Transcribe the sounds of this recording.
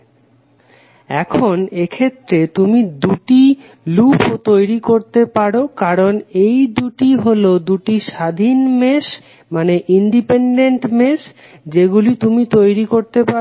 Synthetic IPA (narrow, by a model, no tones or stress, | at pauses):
ɛ̰kʰonekʰet̪ːɾet̪umid̪uʈi | lupot̪ojɾikoɾt̪epaɽokaɾonejd̪uʈiɦolod̪uʈiʃad̪ʱinmeʃ | maneʔiɳɖipeɳɖeɳʈmeʃ | d͡ʑeɡulit̪umit̪ojɾikoɾt̪epa